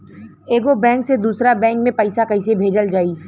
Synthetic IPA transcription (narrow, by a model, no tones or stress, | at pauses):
eːɡobɛ̃ːŋksed̪uːsɾabɛ̃ːŋk̚mẽpəɪsakɐɪsebʱeːd͡ʒəld͡ʒaːiː